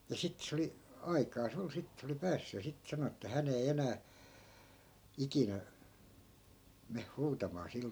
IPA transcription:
jɑ sitːĕ se oli ɑikɑːs ol sit se oli pæːsːy jɑ sit sɑno etːæ hæn ei enæː ikinæ meh huːtɑmɑː sil

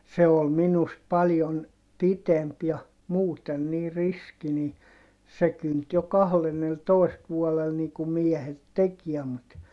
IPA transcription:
se ol minust pɑljon pitemp jɑ muːten niː riski ni se kynt jo kɑhlenːeltoˑist ʋuɔlel niː kum miɛhet tekiɛ mut

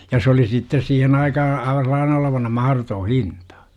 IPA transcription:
jɑ s oli sitːes siːhen ɑikɑhɑ ɑiʋɑ selˑɑːne oloʋɑnɑ mɑhɑrotoː hintɑ̥

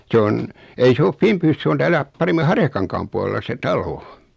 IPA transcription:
se on ei se of fimpyːs se on tæːlæ pɑremːi hɑrjɑkɑŋkɑːm puɑlelːɑ se tɑlo

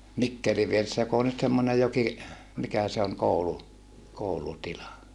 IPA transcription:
mikːeli ʋieresːæ jok oː nyt semːonej joki mikæ se oŋ koulu koulutilɑ

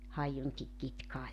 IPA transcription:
hɑijuŋki kitkɑː jɑ

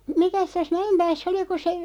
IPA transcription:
mikæs tæs mæempæːsː oli ku se

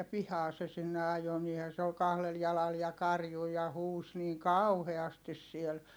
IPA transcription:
pihɑː se sinːe ɑjo niːhæ se ol kɑhlel jɑlɑl jɑ kɑrju jɑ huːs niːŋ kɑuheɑstis siel

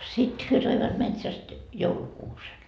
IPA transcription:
sit hyø toiʋɑt metsæst joulukuːsen

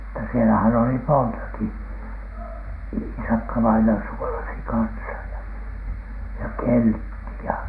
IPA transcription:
mutːɑ sielæhæn oli montɑki iːsɑkːɑʋɑinɑ suolɑsi kɑnsɑ jɑ jɑ keltːi jɑ

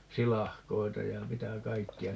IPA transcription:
silɑhkoitɑ jɑ mitæ kɑikːiɑ

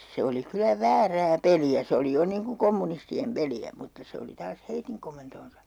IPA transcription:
se oli kylæ ʋæːræː peliæ se oli jo niːŋ ku komːunistiem peliæ mutːɑ se oli tɑːs heitiŋ komentoːnsɑ

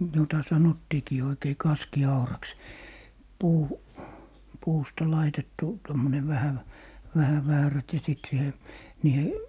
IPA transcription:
jotɑ sɑnotːiːkiː oikei kɑskiɑurɑks puː puːstɑ lɑitetːu tomːone ʋæhæ ʋ ʋæhæ ʋæːræt jɑ sit siːhe niːhe

